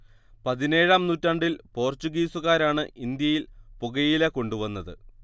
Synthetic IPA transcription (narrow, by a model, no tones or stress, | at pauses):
pɐðine̞ːɻaːmnuːtːɐɳɖilpo̞ːrt͡ɕːuɣiːsuɣaːɾaːɳɨʔind̪jɐjilpuɣɐjileko̞ɳɖuʋɐnːɐðɨ̰